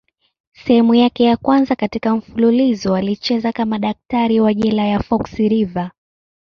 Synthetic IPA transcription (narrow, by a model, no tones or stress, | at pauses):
sɛhɛmujakɛjakwanzakatikam̩fululizɔalit͡ʃɛzakamaɗak̚taɾiwaʄɛlajafɔksiɾiva